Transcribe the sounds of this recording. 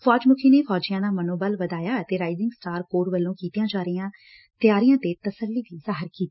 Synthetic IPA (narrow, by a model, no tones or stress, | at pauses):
fʰɔːd͡ʒmʊkʰiːneːpʰɔːd͡ʒijãːnãːmənoːbəlʋəd̪aːjaːət̪eːɾaːɪzɪŋɡsʈaːɾkoːɾʋəlːõːkiːt̪ijãːd͡ʒaːɾɪjãː | t̪ɪjaːɾɪjãːt̪eːt̪əsəlːiːd̪iːzaːɦəɾkiːt̪i